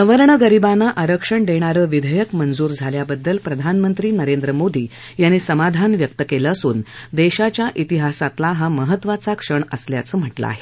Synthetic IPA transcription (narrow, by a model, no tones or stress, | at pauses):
əʋəɾɳəɡəɾibanːaʔaɾəkʂəɳɖ̪eɽ̃aɾəːʋid̪ʱəjəkmənd͡zuːɾd͡zʱaljabəd̪ːəlpɾəd̪ʱanmənt̪ɾiːnəɾend̪ɾəmod̪iː | janːiːsəmad̪ʱanʋjək̚t̪əkeləːsuːnd̪eɕat͡ɕjaʔit̪iɦasat̪laɦaməɦət̪ːʋat͡sakʂəɳəslja̰t͡səːm̤əʈla̰a̰ɦe